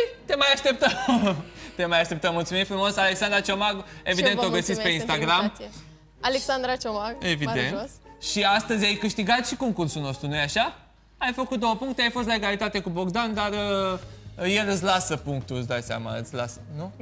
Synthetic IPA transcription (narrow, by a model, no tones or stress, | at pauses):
jt̪e̞majaʃt̪ep̚t̪əm | t̪e̞majaʃt̪e̞p̚t̪əmːult̪sumimfɾumo̞sale̞ksand̪ɾat͡ʃomaɡe̞vid̪e̞noɡəsit̪pe̞inst̪aɡɾam | aleksand̪ɾat͡ʃomaɡe̞vid̪e̞̰nt̪ʃiast̪əzʲajkɨʃt̪iɡat̪ʃiko̞ŋkursulno̞st̪ɾunujaʃa | ajfəkut̪̚d̪o̞wəpuŋkt̪eajfo̞s̬t̪lae̞ɡalit̪at̪e̞kubo̞ɡd̪and̪arə | je̞lɨt̪s̬ʲlasəpuŋk̚t̪uɨsd̪ajsʲa̰ma̰ɨ̰t̪sʲla̰sənu